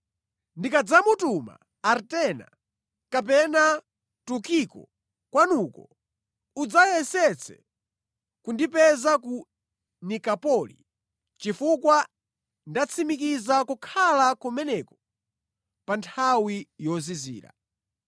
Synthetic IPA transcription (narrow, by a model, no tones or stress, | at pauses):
ndikad͡zamutuma̰ | aɾtɛna̰ | kap̬ɛna | tukikɔ̰ | kwanukɔ | ud͡zajɛsɛt͡sʰɛ̰ | kundipɛzaku | nikapɔlḭ | t͡ʃifukwa | ndat͡sʰimik̬izakukʰalakumɛnɛkɔ̥ | pantʰawijɔzizḭːɾa̰